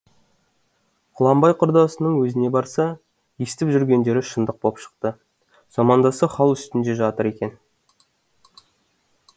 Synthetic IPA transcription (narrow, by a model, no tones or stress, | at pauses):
qʰʊlˠɑmbɑjqʰʊɾd̪ɑsənəɴwɵzɪne̞bɑɾsɑ | jesɪ̥t̪ɪpʒʏɾɡʲe̞nd̪e̞ɾɪʃənd̪əq̚bopʃə̥qt̪ə | zɑmɑnd̪ɑsəχɑlˠʏst̪ɪnd̪e̞ʒɑt̪əɾe̞kʲe̞n